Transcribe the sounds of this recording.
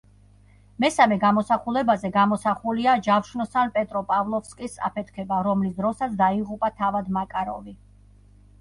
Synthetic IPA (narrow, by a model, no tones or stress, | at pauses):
mɛsamɛɡamɔsaχulɛbazɛɡamɔsaχuliad͡ʒafʃnɔsanpʼɛt̪ʼɾɔpʼavlˠɔfskʼisa̰pʰɛt̪ʰkʰɛbaɾɔmlisd̪ɾɔsat̪sʰd̪aiʁupʼat̪ʰavad̪makʼaɾɔ̰vi